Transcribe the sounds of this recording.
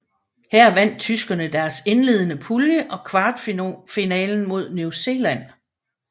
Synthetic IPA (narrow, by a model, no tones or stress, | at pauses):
hæɐ̰ʋæn̰d̥̚t͡sʰysɡ̥ɐnəd̥æɐse̝nle̝ð̞ˠənəpʰuljəʔɒ̽kʰʋɑ̈ːd̥finɛ̰ːln̩mo̝ð̞̰ˠnjuse̝ːlæn̰